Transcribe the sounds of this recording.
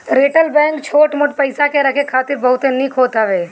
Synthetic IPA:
ɾeːʈəlbɛ̃ːŋkt͡ʃʰoːʈmʊʈpəɪsakeɾɐkʰekʰaːt̪ɪɾbɐɦʊt̪enikʰɦoːt̪aʋeː

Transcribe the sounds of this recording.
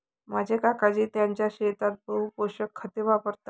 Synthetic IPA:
mad͡ʑʱekakad͡ʑiːt̪jaɲt͡ɕjaɕet̪at̪̚bəɦupoɕəkʰːət̪iʋapəɾt̪a

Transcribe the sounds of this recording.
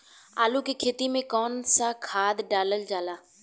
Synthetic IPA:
aːlukikʰeːt̪imẽkɔːnsakʰaːd̪ɖaːləld͡ʒaːlaː

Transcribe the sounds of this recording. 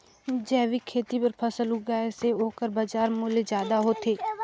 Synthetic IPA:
d͡ʒɛːʋikʰeːt̪ipəɾpʰəsəlɦʊɡaːeseɦoːkəɾbad͡ʒaːɾmʊːlezjaːd̪aɦoːt̪ʰeː

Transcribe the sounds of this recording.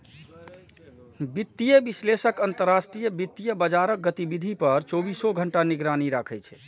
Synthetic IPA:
bit̪ːijəbislesəkənt̪əɾːasʈɾijəbit̪ːijəbəd͡ʒaɾək̚ɡət̪ibid̪ʱipəɾt͡ʃobisoɡʱəɳʈaniɡɾaniɾakʰɛt͡ʃʰɛ̥

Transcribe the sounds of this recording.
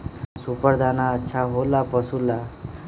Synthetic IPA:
supʌɾd̪ʱanaətːʃʰaɦolapʌsula

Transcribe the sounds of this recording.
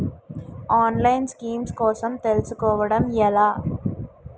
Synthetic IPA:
aːnlɐjnskiːmskoːsɐmt̪elɐsukɔːʋɐɽɐmjɛlaː

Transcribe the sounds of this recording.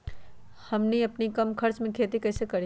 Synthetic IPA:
hɐmniɐpnikɐmkʰɐɾt͡ʃmẽkʰeːt̪ikɐːsekɐɾi

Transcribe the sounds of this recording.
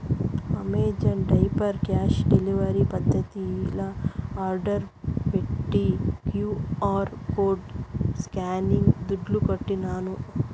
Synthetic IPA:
ɐmeːd͡ʒɐnɖɐjpɐɾkaːʃɖeliʋɐɾipɐd̪ʱːɐt̪ilɐaːɾɖɐɾpeʈːikjuːaːɾkoːɖskaːniŋɡd̪uɖlukɐʈːinaːnu

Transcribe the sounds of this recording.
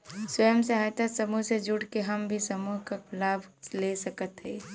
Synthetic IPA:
swəjəmsəɦajt̪asəmuɦsed͡ʒuɽkeɦəmbʱisəmuɦkaplaːbʱlesəkət̪ɦɛː

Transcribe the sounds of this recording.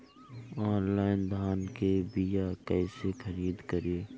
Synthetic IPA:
ɔːnlaːɪnd̪ʱaːnkebijakɛɪsexəɾiːd̪kəɾeː

